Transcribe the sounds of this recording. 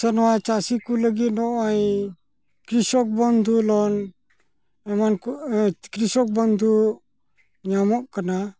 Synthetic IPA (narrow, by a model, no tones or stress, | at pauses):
sɔnɔwat͡ʃasikuləɡit̪̚nɔʔaj | kɾisɔk̚bɔnd̪ʱulɔn | ɛmankukɾisɔk̚bɔnd̪ʱu | ɲamɔʔkana